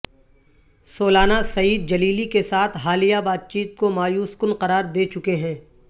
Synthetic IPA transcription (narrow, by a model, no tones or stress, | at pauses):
soːlaːnasɐiːd̪̚d͡ʒɐliːlikesaːt̪ʰɦaːlijabaːt̪̚t͡ʃiːt̪̚komaːjuːskʊnqɐɾaːɾd̪eːt͡ʃʊkeɦɛ̃ː